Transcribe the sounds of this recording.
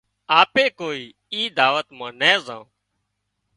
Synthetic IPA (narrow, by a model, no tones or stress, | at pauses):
aːpeːkoːiː | iːd̪aːʋət̪mãːnɛ̃ːzã̰ː